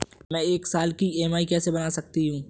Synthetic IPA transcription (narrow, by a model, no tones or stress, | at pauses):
mɛ̃ːeːksaːlkieːmaːikɛːsebɐnaːsɐk̚t̪iɦũː